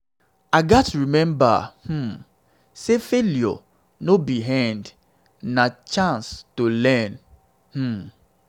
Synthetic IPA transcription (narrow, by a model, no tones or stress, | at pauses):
aɡatɹimɛ̃mba̰hm̩ | sefeljɔ̰ | nobiɦãnd | nat͡ʃãnstolɛ̃n | h̩